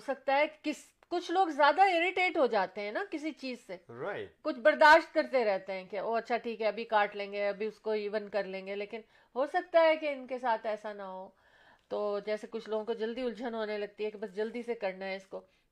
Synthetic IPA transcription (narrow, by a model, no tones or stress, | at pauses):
sɐk̚t̪aɦɛkkɪs | kʊt͡ʃʰloːɡzjaːd̪aeɾɪʈeːʈɦod͡ʒaːt̪eɦɛ̃nakɪs̬it͡ʃiːzseɾakʊt͡ʃʰbɐɾd̪aːʃt̪̚kɐɾt̪eɾɛɦt̪eɦɛ̃kaoːɐtːʃʰaʈʰiːkɦɛɐbʱikaːʈlẽːŋɡeɐbʱiʊskoiːʋənkɐɾlẽːŋɡeleːkɪn | ɦoːsɐk̚t̪aɦɛkeɪnkesaːt̪ɛːsanaɦoː | t̪oːd͡ʒɛːsekʊt͡ʃʰloːɡõkod͡ʒɐld̪iʊld͡ʒənɦoːnelɐɡ̚t̪iɦɛkebɐsd͡ʒɐld̪isekɐɾnaɦɛɪskoː